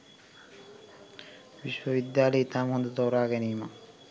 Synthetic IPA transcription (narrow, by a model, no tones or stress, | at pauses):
ʋiʃwəʋid̪jaːlejet̪amond̪ət̪oɾaːɡɛniːma